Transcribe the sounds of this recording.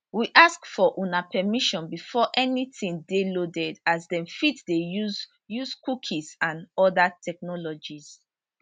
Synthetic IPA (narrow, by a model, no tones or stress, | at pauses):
wiʔaskfɔʔunapɛmiʃɔ̃nbifɔʔɛnitĩŋdelodɛdazdɛ̃mfitdejuz | juzkukʰizãnɔdatʰɛk̚nɔlɔd͡ʒiz̥